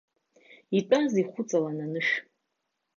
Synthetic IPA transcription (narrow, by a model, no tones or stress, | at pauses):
itʼaziχʷʊt͡sʼalananɨʃ